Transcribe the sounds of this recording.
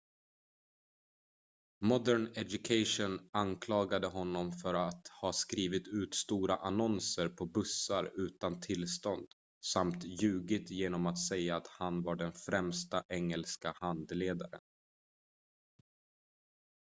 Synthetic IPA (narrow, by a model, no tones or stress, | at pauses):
mɔd̪æɳɛd̪jɵkʰaɪʂʊnankʰlɑːɡad̪əɦɔnːɔmfœɾat̪hɑːskɾiːvɪt̪ʉ̟ːt̪st̪uːɾaʔanɔnsəɾpʰɔbɵsːaɾʉ̟ːt̪ant̪ʰɪlːst̪ɔnd̪̥ | samt̪jʉ̟ːɡɪt̪jeːnɔmat̪sɛjaːt̪hanvaɖɛnfɾɛmst̪aʔɛŋːɛlskahand̪leːd̪aɾə̰n